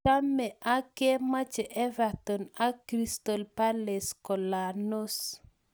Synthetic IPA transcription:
a˦mːe˨ʔa˦ke˦ma˦t͡ʃɛ˨ʔɛ˦va˨tɔ˨na˦kɾi˦sto˨lpa˦le˨skɔ˨la˨no˦s

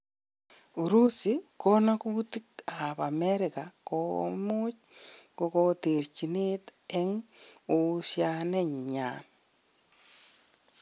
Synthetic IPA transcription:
u˨ɾu˦si˦kona˦kuti˦ka˨βa˨meɾɪkako̰mo˦t͡ʃ | kokote˨ɾt͡ʃi˨ne˦te˦ŋosjane˦ɲɲa̰n

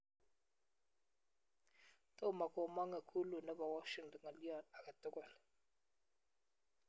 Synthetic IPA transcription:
t̪o˦˨ma˨kɔ˨ma˦ŋa˨kʰu˦lu˨na˦ba˨wa˦ʃi˨ŋtɔ˨ŋa˨li˦a˨na˨ka˨tɔ˦kɔ˦˨l

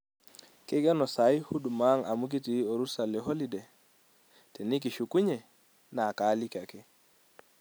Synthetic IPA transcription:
kɪ˦ɡɛ˦nɔ˨sa˨˦jhu˦du˨ma˦ŋa˨mu˦k̬i˦ti˨o˨ɾu˦sa˨le˨ɦo˦li˦de˨ | tɛ˨ni˦k̬i˨ʃu˨ku˦ɲe˨ | na˨ka˨˦li˦ka˨ke˦

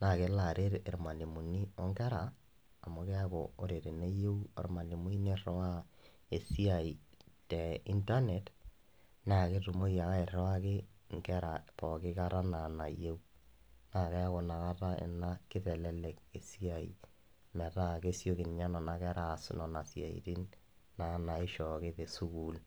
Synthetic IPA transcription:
na˨ke˦la˨ɾe˦ɾe˨ɾma˨ni˨mu˨ni˦ɔ˦ŋɡɛ˦ɾaː˨ | mo˨kɛ˦a˦kɔ̰˨o˦ɾe˨ɾe˨ne˦je˦wḛ˨ɾma˨ni˨mu˦i˦ne˦ɾɔ˦a˦ | e˨si˦a˨i˨tɛ˨i˦nta˦nɛ˨t | na˦˨ke˦tu˨mo˦ja˨a˦e˨ɾɔ˦wa˦kɪ˦ŋ˨kɛ˦ɾapɔ˨kɪ˦ka˦ɾa˦na˨na˨je˦u˦ | na˦˨kɛ˦a˦kɔ˨na˨ka˦ta˦ḛ˨na˦kɪ˦tɛ˨lɛ˦lɛ˨ke˨si˦a˨ḭ˨ | mɛ˨ta˦˨ke˦sjo˦ki˨nɲa˦nɔ˨na˨kɛ˦ɾa˨snɔ˨na˨sja̰˨ḭ˨ti˦n | na˨na˨ɪ˦ʃɔ˨ke˦ðe˨su˦ku˦l

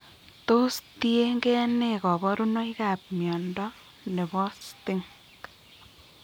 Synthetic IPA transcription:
to˦stie˦ŋɡɛ˦ne˦kɔ˨bɔ˦ɾu˦nɔ˦ika˨p̚mjɔ˨ndɔ | ne˨bɔ˦sti˦ŋ | k

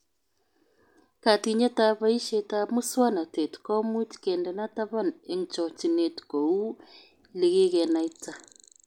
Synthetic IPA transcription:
ka˨ti˨ɲɛ˦ta˦βa˦i˦ʃe˦ta˦mu˦swa˦na˨te˨tu̥kɔ˦mu˦ti̥kɛ˨ndɛ˨na˦ta˦βa˦ne˨ŋt͡ʃɔ˨ti˨ne˨tu̥ko˨u˦ | le˨ɣe˦ɣɛ˨na˨i˦ta˨

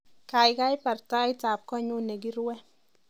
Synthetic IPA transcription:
ka˨jka˦jpa˨rta˦jta˨p̚kɔ˦ɲu˦ne˨ɡ̬i˦ɾwɛ˦

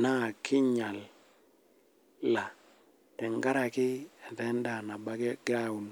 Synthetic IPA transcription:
na˦˨kʰi˦ɲa˨l | la˨ | ɛ˨ŋɡa˦ɾa˨ki˦ɛ˨tɛ˦nda˨na˨ba˨ɡe˦ɡɾa˦˨u˨n

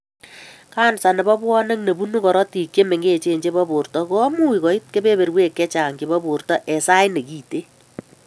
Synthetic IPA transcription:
kaː˦nsa˨ne˨bɔ˦bwɔ˦ne˦kne˨bu˦nu˦kɔ˨ɾɔ˦ti˨kje˦me˨ŋɡe˦t͡ʃe˨ɲd͡ʒe˦bɔ˦bʊ˨rtɔ˨ko˦ɔ˦mu˦wi˨kɔ˨i˦t̚ke˦be˦be˨ɾwe˦kːɛ˦t͡ʃa˨ŋɡe˨bɔ˦bu˨rtɔ˦ʔɛ˨sa˦jne˨ki˨te˦

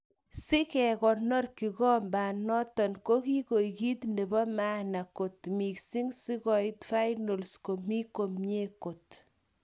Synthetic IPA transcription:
sɪ˦kɛ˨kɔ˨nɔ˦rki˨kɔ˦mbaː˨nɔ˦tɔ˨nko˦ki˦ko˨jki˦t̪ne˨bɔ˦ma˦na˨ko˨tmi˨ksi˦ŋsi˦kɔ˨itfa˦jno˨lsko˨mi˦ko˨mɲe˦ko˨t

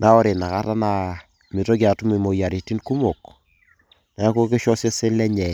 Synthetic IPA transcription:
nʔa˦ɔ˦ɾe˨na˨ka˦ta˦na˨ | mi˨to˦ɡ̬ja˨tu˦mi˨mo˨ja˨ɾi˨ti˦nku˦mo˨k | na˨a˦ko˦ke˦ʃɔ˦se˦se˦lɛ˦ɲɛ˨

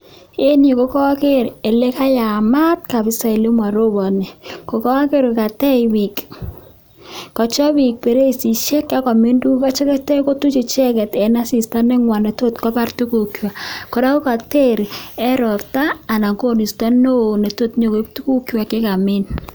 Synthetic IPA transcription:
e˦ni˨ko˦kɔ˦kɪ˦ɾe˨le˦ka˦ja˨ma˦t̚ka˨bɪ˦sa˨i˨li˦ma˨ɾo˦bɔ˨ne˨ko˨kɔ˦ke˦ɾka˨tɛ˦ɪwi˨k | kɔ˨t͡ʃɔ˦wi˨k̚pe˨ɾe˦˨si˨ʃe˦ka˦kɔ˨mi˦ndu˦ka˦t͡ʃɔ˦kɛ˦tɛ˦ko˦tu˦t͡ʃi˨t͡ʃɛ˦kɛ˨tɛ˨na˦si˨sta˦nɛ˦ŋwa˨ne˨to˦tkɔ˦pa˦rtu˦ku˨kjwa˨ko˨da˦u˦ka˨te˦ɾɛ˦ɾɔ˨ptaː˦˨na˨ɡo˦˨ni˨stɔ˦no˦˨ne˨to˦tɲo˨ke˦p̚tu˦ku˦kjwa˨kɪ˦ka˨mɪ˦n

